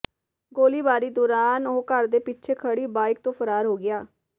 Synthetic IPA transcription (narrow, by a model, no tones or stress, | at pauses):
ɡoːliːbaːɾiːd̪ɔːɾaːnoːkəɾd̪eːpit͡ʃʰeːkʰəɽiːbaːɪk̚t̪õːpʰəɾaːɾɦoːɡɪjaː